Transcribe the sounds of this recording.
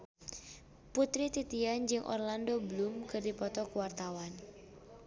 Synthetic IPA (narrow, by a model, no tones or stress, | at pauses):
put̪ɾit̪it̪iand͡ʒɨŋʔɔ̰rlandoblumkɨrdipɔt̪ɔkuwart̪awan